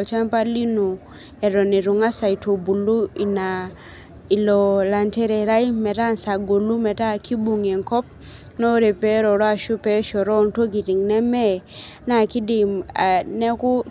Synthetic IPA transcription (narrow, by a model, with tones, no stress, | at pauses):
lt͡ʃa˦mpa˦li˦nu˨ | ɛ˨ɾɔ˨ni˨ɾu˨ŋa˦sa˨i˨tʰo˨bu˨lu˦i˨na˨ | i˨lɔ˨la˨ntɛ˦ɾe˨ɾa˦i˦mɛ˨ɾa˦˨nsa˨ɡo˨lu˦mɛ˨ta˦˨ki˦bu˨ŋe˨ŋkɔ˦p̚ | no˦ɾe˨pe˦ɾɔ˨ɾɔ˦a˦˨ʃu˦pɛ˦ʃɔ˨ɾɔ˦˨nto˦ɡi˨ɾi˨ŋnɛ˦mɛ˦ | na˨ki˦dɪ˨ma˨nɛ˦kʊ˦